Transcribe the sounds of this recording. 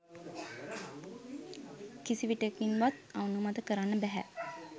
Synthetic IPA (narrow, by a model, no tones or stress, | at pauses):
kisiʋiʈekʋinʋat̪aunumat̪əkəɾanːəbæɦæ̰